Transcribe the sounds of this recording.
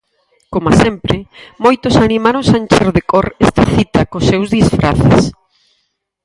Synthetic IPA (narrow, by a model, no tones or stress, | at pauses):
komasempɾɪmojt̪ʊsanimaɾõsant͡ʃeɾoðekoɾest̪ɐθit̪ɐkosewzðisfɾʔa̰θḛs